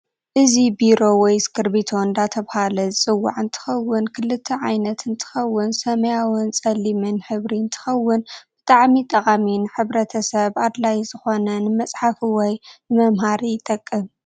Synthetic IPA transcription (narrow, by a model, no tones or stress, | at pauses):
ʔɨzibiɾo̞wɔjskʰɨɾbit̪ʰo̞nd̪at̪ʰɐβhalɐzɨt͡sʼɨwːa̰ʕɨnt̪ʰɨ̥xɐwːɨnkʰɨlɨt̪ʰːɐʕajnɐt̪ɨnt̪ʰɨ̥xɐwːɨnsɐmɐjawɨnsʼɐlimɨnħɨβɾiɨnt̪ʰɨ̥xɐwːʊnb̥ɨt̪ʼaʕmit̪ʼɐχʼaminɨħɨβɾɐt̪ʰɐsɐβad̪lajz̥ɨxo̞nɐnɨmɐsʼħafiwɔjnɨmɐmɦaɾijt̪ʼɐkʼːɨm